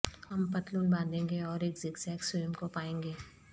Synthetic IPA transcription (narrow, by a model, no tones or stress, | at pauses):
ɦɐmpɐt̪luːnbãːnd̪ẽːŋɡeɔːɾeːkzɪksɛːksʊjʊmkopaːẽːŋɡeː